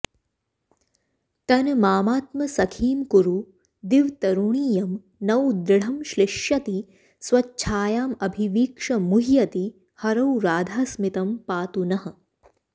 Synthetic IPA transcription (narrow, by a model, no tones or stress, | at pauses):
t̪ɐnmaːmaːt̪̚mɐsɐkʰiːmkuɾu | d̪iʋt̪ɐɾuɳiːjɐm | nɐwd̪ɾɪɽ̤ɐmʃliʃjɐt̪i | swʋɐːt͡ʃʰaːjaːmɐbʱiʋiːkʂɐmuɦijɐt̪i | hɐɾɐwɾaːd̪ʱaːsmit̪ɐmpaːt̪unɐhɐ̆